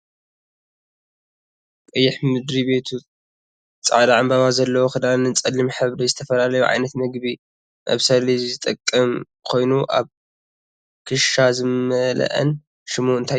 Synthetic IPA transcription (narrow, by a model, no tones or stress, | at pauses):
kʼɨjːɪħmɨd̪ɾibe̞t̪ʰu | t͡sʼa̰ʕlaʕambaβazɐlːɐwoxɨd̪alnɨnt͡sʼɐlːimħɨβd̪ɐzɨt̪ʰɐfɐlalɐjuʕa̰jnɐt̪mɨɡbi | ʔa̰βsɐlizzɨt̪ʼɐkʼːɐm | kʰo̞jnuʔa̰β | kʰɨʃazɨmɐlɐ̰ʔɐ̰n | ʃɨmuɨnt̪ʰa